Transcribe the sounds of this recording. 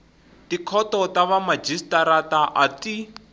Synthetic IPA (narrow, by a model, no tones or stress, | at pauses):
tikʰɔtɔtaβamad͡ʒistaɾataʔati